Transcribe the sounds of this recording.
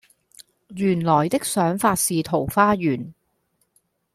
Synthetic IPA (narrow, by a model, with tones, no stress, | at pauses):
jyː˨˩nlɔː˨˩jt̪ɪ˥k̚sœː˨˥ŋfaː˧t̚siː˨t̪ʰo˨˩wfaː˥jyː˨˩n